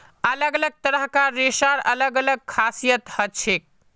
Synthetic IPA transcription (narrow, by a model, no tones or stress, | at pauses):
ələɡələɡ̚t̪əɾəɦkaɾesaɾə̰ləɡələɡ̚kʰasijət̪hət͡ʃʰek̚